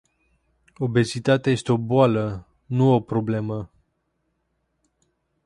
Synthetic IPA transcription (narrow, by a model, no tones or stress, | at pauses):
o̞be̞zit̪at̪eaje̞st̪eo̞boalə | nuo̞pɾo̞ble̞mə